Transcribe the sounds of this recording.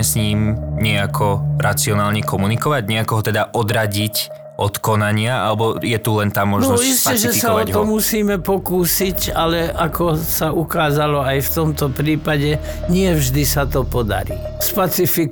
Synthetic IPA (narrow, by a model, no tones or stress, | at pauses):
ɛsɲiːmɲɛakʰɔɾat͡siɔnaːlɲɛkɔmunikɔʋaɟɲɛakɔɦɔt̪ɛd̪aʔɔd̪ɾaɟic | ʔɔt̪kɔnaɲɪaʔa̰lɛbɔjɛt̪ulɛnt̪aːmɔʒnɔniscɛʒɛsaɔt̪ɔmusiːmɛpɔkuːsicalɛakʰɔsaukaːzalɔajft̪ɔmt̪ɔpɾiːpaɟɛ | ɲɪɛvʒd̪isat̪ɔpɔd̪a̰ɾḭː | spat͡sifi